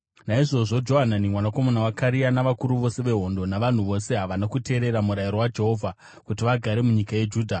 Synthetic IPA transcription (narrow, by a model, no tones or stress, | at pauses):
naiʐo̞ʐo̞d͡ʒo̞ɦananimwanako̞monawakaɾianaʋakuɾuʋo̞se̞ʋe̞ɦo̞ndo̞naʋan̤uʋo̞se̞ɦaʋanakute̞ːɾe̞ɾamuɾajiɾo̞wad͡ʒe̞ɦo̞vʱa | kut̬iʋaɡʱaɾe̞muɲikaje̞d͡ʒuːdʱa